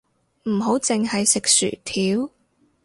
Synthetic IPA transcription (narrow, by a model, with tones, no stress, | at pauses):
m̩˨˩ɦo˨˥wt͡sɪ˨ŋɦɐ˨jsɪ˨k̚sy̰ː˨˩t̪ʰiː˨˥w